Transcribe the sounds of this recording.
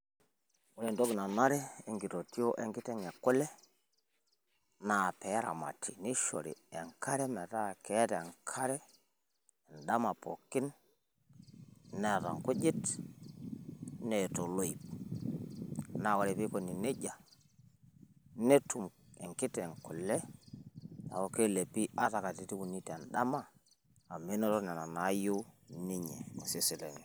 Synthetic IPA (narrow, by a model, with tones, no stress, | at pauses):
wo˦ɾe˨ndo˦ɡna˨na˦ɾɛ˦ɛ˨ŋɡi˨to˨ti˦o˦ʔɛ˦ŋɡɪ˦tɛ˦ŋɛ˨kːʊ˦lɛ˦ | na˨pɛ˨˦ɾa̰˨ma̰˨tʰi˨ni˦ʃo̰˨ɾḭ˨ɛ˨ŋkʰa˦ɾɛ˦mɛ˨ta˦˨kɛ˨˦tɛ˨ŋkʰa˦ɾɛ˦ | ɛ˨nda˦ma˨po̰˨kɪ˦n | nɛ˨ta̰˨ŋkʊ˦d͡ʒɪ˦t | ne˨to˨lo˦i˨p̚ | na˦˨wa˨ɾe˨pi˦ko˨ni˨ne˦d͡ʒa˨ | ne˦tu˨mḛ˨ŋkɪ˦tɛ˨ŋku˨lɛ˦ | a̰˨wo˦ke˦˨le˨pi˦a˦ta˨ka˨ti˨ti˦wu˨ni˦te˨nɗa˦ma˦˨ | a˨me˦no˦tɔ˦nɛ˨na˨na˨˦jo˦ni˦ɲe˨n˨si˦si˨le˨ni˨